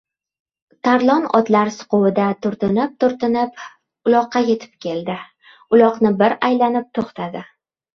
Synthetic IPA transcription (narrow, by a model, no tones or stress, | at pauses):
t̪ʰaɾlˠɒnɒ̰t̪laɾsʊ̥qʊwɪd̪at̪ʰʊɾt̪ɪnɪp̚t̪ʰʊɾt̪ɪnɪp | ʊlˠɒqːɑje̞t̪ʰɪ̥p̚kʲe̞ld̪ɪ | ʊlˠɒqnɪbɪɾajlanɪp̚t̪ʰoχt̪ʰad̪ɪ